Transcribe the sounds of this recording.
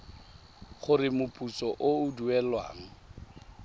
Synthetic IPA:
χʊrɪmʊpʼut͡sʼɔʔoʊduɛlwa̰ːŋ̩

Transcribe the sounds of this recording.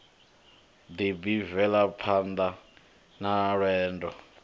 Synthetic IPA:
d̪ibivɛlapʰand̪a | naɺɛːndɔ

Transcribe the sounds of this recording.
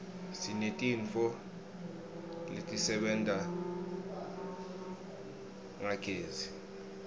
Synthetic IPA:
sinetʼiɱfɔ | lḛtʼisɛɓɛntʼa | ŋaɡ̥ʰʱʼeːzi

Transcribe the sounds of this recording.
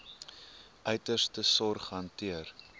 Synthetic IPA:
ʔœɥtərstəsɔrχɦɐntiər

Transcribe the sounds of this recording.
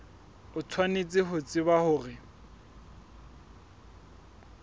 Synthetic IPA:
ʊt͡sʰwanet͡sʼɪɦʊt͡sʼɪbahʊːrɪ

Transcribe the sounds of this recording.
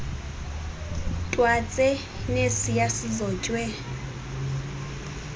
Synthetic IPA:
tʼwat͡sʼɛ | nesijasizɔːt͡ʃʼwɛ

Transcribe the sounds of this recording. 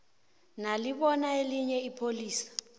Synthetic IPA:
naliɓɔnaeliɲɛipʰoliːsḁ

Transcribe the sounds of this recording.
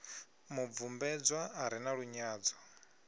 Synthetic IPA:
muvumbɛd͡zwaːɾinaɺuɲaːd͡zɔ

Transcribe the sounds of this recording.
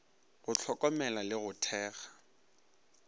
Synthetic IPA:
ɣʊt͡ɬʰɔkʼɔmɛlalɪɣʊtʰɛːɣḁ

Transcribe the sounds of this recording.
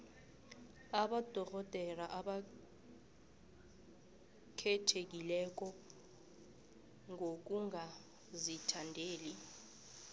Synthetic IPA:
aɓad̥ʱɔk̬ɔd̥ʱɛlaʔaɓa | kʰɛtʰek̬ilɛk̬ɔ | ŋʱok̬uŋa | zitʰandʱeːli

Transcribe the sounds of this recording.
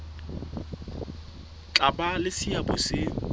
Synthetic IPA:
t͡ɬʼabalɪsiabʊsɪ

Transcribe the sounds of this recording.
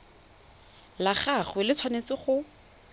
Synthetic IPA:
laχaχwɪlɪt͡sʰwanet͡sɪχʊ

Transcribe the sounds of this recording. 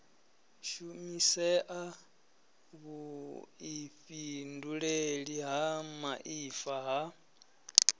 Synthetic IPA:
ʃumisɛʔa | βuiɸinduɺeɺiɦamaʔifaɦa

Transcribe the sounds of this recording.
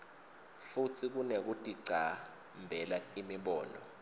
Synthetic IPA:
futʰik̬unek̬utʼiɡ͡ǀʱa | mbʱɛlaimiɓɔːnɔ

